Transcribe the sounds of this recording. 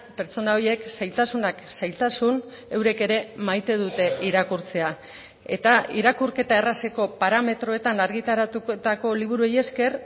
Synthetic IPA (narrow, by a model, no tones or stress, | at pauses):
pe̞ɾt͡so̞naoje̞ksajlt̪asunaksajlt̪asun | e̞wɾe̞ke̞ɾe̞majt̪e̞ðut̪e̞ʔiɾakuɾt͡se̞a | e̞̰t̪aiɾakuɾke̞t̪ae̞raseko̞paɾame̞t̪ɾo̞e̞t̪anaɾɣit̪aɾat̪ut̪ako̞liβ̞uɾue̞je̞ske̞r